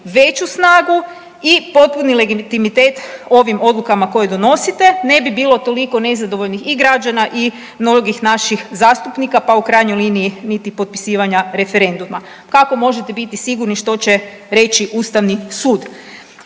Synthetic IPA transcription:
ʋe̞t͡ɕusnaːɡu | ipo̞t̪̚punile̞ɡit̪imit̪e̞ːt̪o̞ʋimo̞d̪lˠukamako̞jed̪o̞no̞sit̪e̞ne̞bibiːlo̞t̪o̞liko̞ne̞zad̪oʋo̞ʎnixiɡɾad͡ʒanaʔi | mno̞ɡixnaʃixzaːst̪upnikapaukɾajɲo̞jliːniinit̪ipo̞t̪̚pi̥siːʋaɲaɾe̞fe̞ɾe̞nd̪uma | kako̞mo̞ʒet̪e̞bit̪isiɡuɾniʃt̪o̞t͡ɕe̞ | ɾe̞t͡ɕiʔuːst̪aʋnisuːd̪

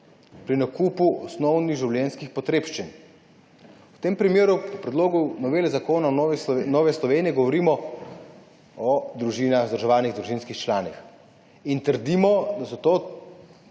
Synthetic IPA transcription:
pɾinakuːpuʔɔsnɔwniɣʒiwljɛnskixpɔt̪ɾeːpʃt͡ʃin | wt̪eːmpɾimeːɾupɔpɾɛd̪loːɡunɔʋeːlɛzakoːnanɔːʋɛslɔʋeːnijɛɡɔʋɔɾiːmɔ | ɔd̪ɾuʒiːnaxzəɾʒɛʋaːniɣd̪ɾuʒinskixt͡ʃlaːnix | int̪əɾd̪imɔd̪asɔt̪oː

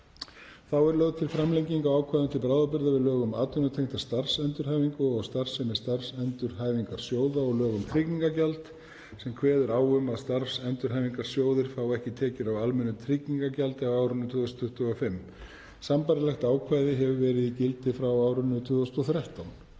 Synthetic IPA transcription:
θawɛɾlœɣt̪ʰɪlfɾamlejɲciŋkawaːwkʰvajðant̪ʰɪlpɾaːwðapɪɾðavɪðlœːɣʏma̰ːt̪ʏnʏt̪ʰejŋ̥t̪ḁst̪ar̥sɛnt̪ʏɾ̥ɦaːjviŋkʏɔɣst̪ar̥sɛmɛst̪ar̥sɛnt̪ʏɾ̥ɦaːjviŋkaɾ̥sjoːwðaɔɣlœːɣʏmt̪ʰɾicniŋkacalt̪ | sɛmkʰvɛːðʏɾaːwʏmaðst̪aɾfsɛnt̪ʏɾ̥ɦajviŋkaɾ̥sjoːwðɪɾ̥θawɛhcɪt̪ʰɛːcɪɾawalmɛnːʏt̪ʰɾicniŋkacalt̪ɪawaːwɾʏnːʏt̪ʰʏːðɔst̪ʰʏht̪ʏɔfɪm | sampajɾɪlajxt̪aːwkʰvaːjðɪɦɛvʏvɛːɾɪðicɪlt̪ɪfɾawaːwɾʏnːʏt̪ʰʏːðɔst̪ɔθɾjaht̪awn

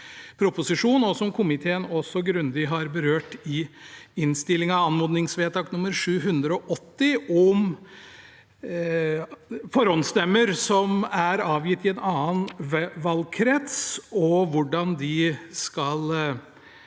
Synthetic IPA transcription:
pʰɾʊpʊsɪʂuːnɔsɔmkʰʊmɪt̪ʰeːənɔsɔɡɾʉnd̪ɪɦɑɾbəɾøːʈɪɪnst̪ɪlːɪŋɑɑnmuːd̪nɪŋsʋeːt̪ʰɑːknʊmːəɾʂʉːɦʉnd̪ɾəɔʔɔt̪ːɪʔɔm | fɔɾɔnst̪ɛmːəɾsɔmæɾɑːʋjɪt̪ːɪɛnɑːənʋɑlkʰɾɛt̪sɔʋʊɖɑnd̪ɪskɑl

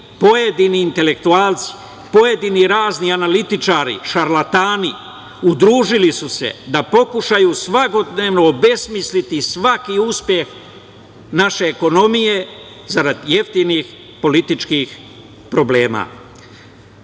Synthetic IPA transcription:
po̞jed̪iniːnt̪e̞le̞kt̪uaːlt̪si̥ | po̞je̞d̪iniɾaːznianalit̪it͡ʃaːɾḭʃaɾlat̪aːni | ud̪ɾuːʒilisuse̞̰d̪apo̞kuʃajusʋako̞d̪neːʋno̞ːbe̞smislit̪isʋakiuspje̞x | naʃe̞ːko̞no̞mije̞ | zaɾad̪je̞ft̪inix | po̞lit̪it͡ʃkix | pɾo̞ble̞ːma̰

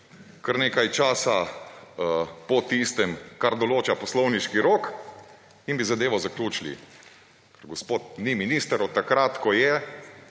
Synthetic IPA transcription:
kəɾneːkajt͡ʃaːsa | pɔt̪ist̪ɛmkaɾd̪ɔloːt͡ʃapɔslɔwniʃkiɾoːk | inbizad̪eːʋɔzaklʲuːt͡ʃilḭ | kəɾɡɔspoːt̪̚niminist̪ɾot̪akɾat̪kɔjɛ

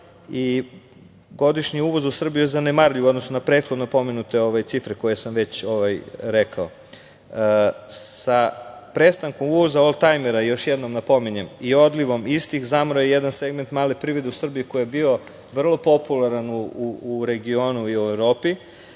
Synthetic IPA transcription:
i | ɡo̞d̪iʃɲiuʋo̞zusr̩bijujezanemaɾʎio̞d̪nosnonapɾet̪xod̪nopo̞menut̪e̞oʋajt̪sifɾeko̞jesamʋe̞t͡ɕo̞ʋajɾekʰao̰ | sapɾest̪aŋko̞muʋo̞zaolt̪ajmeɾajo̞ʃjed̪no̞mnapo̞miɲemio̞d̪liʋo̞mist̪ixzamɾojejed̪anse̞ɡme̞nt̪maːlepɾiʋed̪eusr̩biiko̞jijebio̞ | ʋr̩lˠo̞po̞pulaɾanuuuɾe̞ɡio̞nuiuevɾo̞ːpi

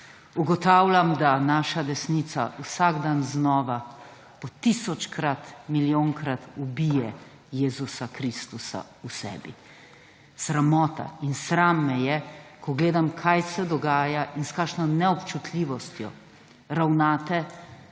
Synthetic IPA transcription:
uɡɔt̪awlʲamd̪anaːʃad̪ɛsnit̪sa̰usaɡd̪anznɔːʋa | pɔt̪isɔt͡ʃkɾat̪miljoːŋkɾat̪ubijɛ | jeːzusakɾist̪usa̰ | usɛ̰ːbḭ | sɾamɔːt̪a̰insɾamːɛjɛkɔɡleːd̪amkʰajsɛd̪ɔɡaːjaʔinskaːkʃnɔnɛɔpt͡ʃut̪ʰlʲiʋɔst̪jɔ̰ | ɾawnaːt̪ɛ

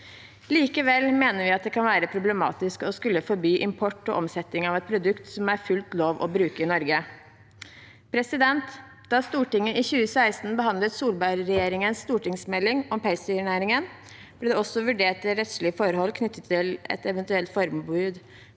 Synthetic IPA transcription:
liːkəʋɛlːmeːnəɾʋɪɑt̪̚d̪ɛkʰɑnʋæːɾəpʰɾʊblɛmɑ̰ːt̪ɪskəɔskʉlːəfɔɾbyːʔɪmpʰɔʈːɔ̰ʔɔmsɛt̪ːɪŋɑʋɛt̪̚pʰɾʊd̪ʉkt̪sɔmæɾfʉlt̪loːʋɔ̰bɾʉːkəɪnɔɾɡə | pʰɾɛsɪd̪ɛnt̪ | d̪ɑst̪uːʈɪŋːəʔɪçʉːəsæɪst̪n̩bəɦɑnd̪lət̪suːlbæɪɾɾɛjeːɾɪŋənst̪uːʈɪŋsmɛlːɪŋɔmpæɪsɪɳæːɾɪŋən | b̥̪ɪd̪ɛɔsːɔʋʉɖeːʈ̚t̪ɪlɾɛt̪slɪəfɔɾhɔlːkʰnʏt̪ːət̪ʰːɪlɛ̰t̪ɛʋənt̪ʉɛlt̪fɔɾmbʉːd̪

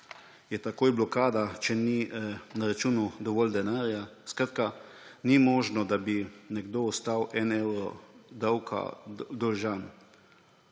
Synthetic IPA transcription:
jɛt̪akoːjblɔkaːd̪at͡ʃɛninaɾat͡ʃuːnud̪ɔʋɔːld̪ɛnaːɾjaskɾat̪̚ka | nimɔːʒnɔd̪abinɛɡd̪oːɔst̪awʔɛnɛwɾɔd̪awkʰa̰d̪ɔlʒan

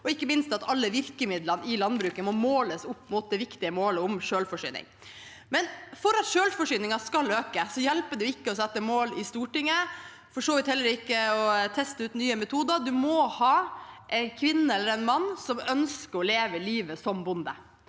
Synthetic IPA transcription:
ɔɪkːəmɪnst̪ɑt̪ɑlːəʋɪɾkəmɪd̪lənɪlɑnbɾʉːkəmɔmoːləsʊpːmʊt̪̚d̪ɛʋɪkt̪ɪəmoːləʊmʃøːlfɔʂy̰ːnɪ̰ŋ | mɛnfɔɾɑt̪ʃøːlfɔʂyːnɪŋɑskɑløːkəsɔjɛlpəɖɛʊɪkːəɔsɛt̪ːəmoːlɪst̪uːʈɪŋːə | fɔʂoːʋɪt̪hɛlːəɾɪkːəɔt̪ʰɛst̪əʉːt̪nyːəmɛt̪ʰuːd̪ɑd̪ʉmɔhɑːʔɛnkʰʋɪnːəɛlːəɾɛɪnmɑnːsɔmœnskəɾɔleːʋəliːʋəsɔmbʊnd̪ə̰

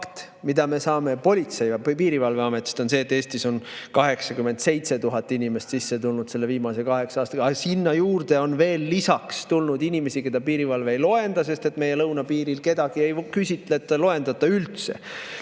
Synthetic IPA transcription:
kt̪ | mid̪̥ɑme̞sɑːme̞po̞lʲit̪se̞jpiːɾivɑlve̞ɑmet̪ːˑi̥st̪o̞nse̞ːt̪ːˑeːst̪iso̞nkɑɦe̞ksɑkyme̞nd̪̥se̞jt̪se̞t̪uɦɑt̪ːˑinʲime̞st̪sisːe̞t̪ulnud̪se̞lːe̞viːmɑse̞kɑɦe̞ksɑɑːst̪ɑɡɑsinːɑjuːrd̪̥e̞o̞nve̞ːlːisɑkst̪ulnud̪inʲime̞sike̞d̪ɑpiːɾivɑlve̞ejlo̞e̞nd̪̥ɑse̞st̪e̞t̪me̞je̞lɤwnɑpiːɾilke̞d̪̥ɑɡ̥ie̞jkysʲit̪ˑlet̪ːɑlo̞e̞nd̪ɑt̪ːˑɑylt̪se̞̰

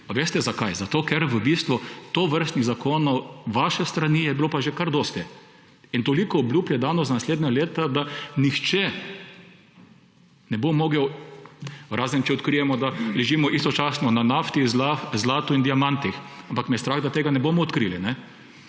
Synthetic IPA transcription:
paʋeːst̪ɛzakajzat̪oːkɛɾʋəbiːst̪ʋʊt̪oːʋəɾst̪niɣzakʰoːnɔwʋaʃɛst̪ɾaniːjɛbiloːpaʒekaɾd̪ɔːst̪ɛ | int̪olikɔːblʲuːbjɛd̪anɔzanasleːd̪nʲaleːt̪ad̪anixt͡ʃɛ | nɛbomɔːɡɛw | ɾaːzənt͡ʃɛɔt̪kɾijɛmɔd̪alɛʒimɔʔist̪ɔt͡ʃaːsnɔnanaft̪izazlaːt̪uind̪iamãnt̪ixampakmɛst̪ɾaːɣd̪at̪eːɡanɛboːmɔːt̪kɾilinɛ

